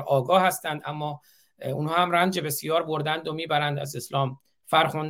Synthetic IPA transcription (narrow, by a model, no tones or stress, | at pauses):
ʔɒːɡɒːhæst̪ænd̪æmːɒː | unhɒːhæmɾænd͡ʒe̞be̞sijɒːɾbo̞ɾd̪ænd̪omiːbæɾænd̪æ̰ze̞slɒːm | fæɾxun